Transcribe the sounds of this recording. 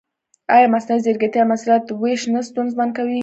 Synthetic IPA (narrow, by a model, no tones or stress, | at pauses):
ɑjɑmasnazeɾɡat̪jamasulat̪weʃnast̪unzband̪̚kawi